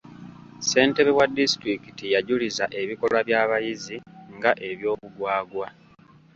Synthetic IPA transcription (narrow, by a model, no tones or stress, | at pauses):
se̞ːnte̞βeβwadːisi̥tɾikitijaɟulizaʔe̞βiko̞lwaβjaːβajiziŋɡaʔe̞βjo̞ːβuɡwaːɡwa